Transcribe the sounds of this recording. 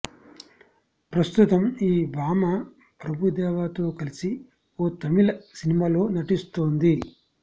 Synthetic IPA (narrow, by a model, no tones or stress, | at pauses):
pɾɐst̪ut̪ɐmiːbaːma | pɾɐbʱud̪ɛːʋaːt̪o̞ːkɐlisi | oːt̪ɐmilɐsinimaːlo̞ːnɐʈist̪oːnd̪i